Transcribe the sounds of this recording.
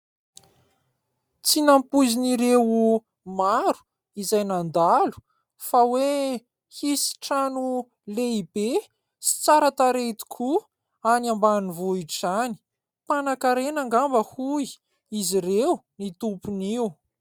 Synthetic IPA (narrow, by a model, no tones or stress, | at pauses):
t͡sinampuziniɾewu | maɾu̥ | izajnand̪alu̥ | fawe | hisi̥ʈ͡ʂanu | leibe | si̥t͡saɾat̪aɾet̪i̥kʰu | anambanivuiʈ͡ʂizani̥ | panakaɾenaŋɡambəhui | iziɾewnit̪upuniw